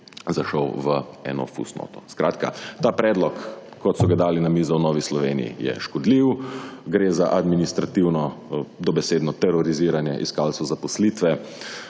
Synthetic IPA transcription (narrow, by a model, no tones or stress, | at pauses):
zaʃɔwʋəɛ̰nɔ̰fṵsno̰ːt̪ɔskɾa̰ːt̪ka̰t̪aːpɾɛːd̪lɔkː | ɔt̪sɔɡad̪aːlinamiːzɔwnɔːʋislɔʋeːnḭḭjɛ̰ʃkɔd̪liwɡɾeːzaʔad̪minist̪ɾat̪iwnɔd̪ɔbɛseːd̪nɔt̪ɛɾɔɾiziːɾanjɛʔḭskaːlsɔzapɔslit̪ʋɛ